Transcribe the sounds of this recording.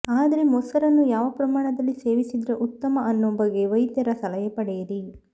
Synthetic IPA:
aːd̪ɐɾe̞mɔsɐɾɐnːujaːʋɐpɾɐmaːɳɐd̪ɐlːise̞ːʋisid̪ɾɐʔut̪ːɐmɐɐnːombɐɡːe̞ʋɐjd̪jɐɾɐsɐlɐjɐpɐɽɛjɐɾi

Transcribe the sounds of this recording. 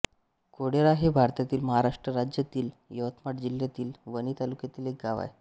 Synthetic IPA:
koɽeɾaɦebʱaɾt̪at̪iːlməɦaɾaʂʈɾəɾad͡ʑjət̪iːl | jəʋət̪maʈd͡ʑiljat̪iːlʋənit̪alukjat̪iːlek̚ɡaʋa̰j

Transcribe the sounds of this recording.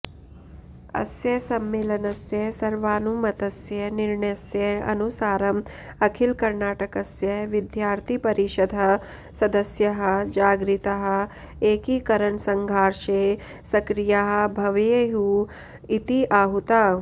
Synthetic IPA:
ɐ̰sjɐsɐmːeːlɐnɐsjɐsɐɾʋaːnumɐt̪ɐsjɐniɾɳɐjɐsjɐɐ̰nusaːɾɐmɐkʰilkɐɾnaːʈɐkɐsjɐʋid̪ʱjaːɾt̪ʰipɐɾiʃɐd̪ʱɐ | sɐd̪ɐsjɐɦɐd͡ʒaːɡɾit̪ɐɦɐ̆ | eːkikɐɾɐɳsɐŋɡʱaːɾʂeː | sɐkɾijaɦɐ̆bʱɐʋeɦu | it̪iʔaːɦut̪aː

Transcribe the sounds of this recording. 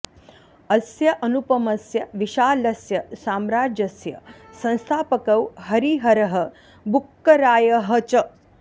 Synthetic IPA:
ɐsjɐʔɐnupɐmɐsjɐʋiʃaːlɐsjɐsaːmɾaːd͡ʒɐsjɐ̰ | sɐ̃ñst̪ʰaːpɐkɐwɦɐɾiɦɐɾɐɦɐ̆ | bukːɐɾaːjɐɦɐt͡ʃɐ

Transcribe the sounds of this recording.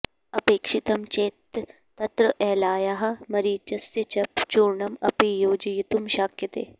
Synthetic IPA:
ɐpeːkʃɪt̪ɐmt͡ʃeːt̪ː | ɐt̪ɾɐʔɛːlaːjaɦɐmɐɾiːt͡ʃɐset͡ʃɐpt͡ʃuːɾɳɐmɐpijoːd͡ʒjit̪umʃaːkjɐt̪ḛː

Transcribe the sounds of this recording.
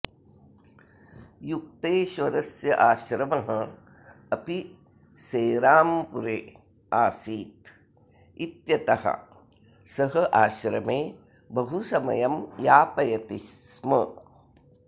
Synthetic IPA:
juk̚t̪eːʃʋɐɾɐsjɐʔaːʃɾɐmɐɦɐ | ɐpi | seːɾaːmpuɾeː | aːsiːt̪ | it̪jɐt̪ɐhɐ̰ | sɐɦɐʔaːʃɾɐmeː | bɐɦusɐmɐ̰jɐmjaːpɐjɐt̪iʃmɐ

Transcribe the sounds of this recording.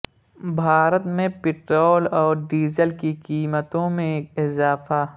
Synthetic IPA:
bʱaːɾət̪mẽpɪʈɾoːlɔːɾɖiːzəlkikiːmət̪õmẽkɪzaːfa

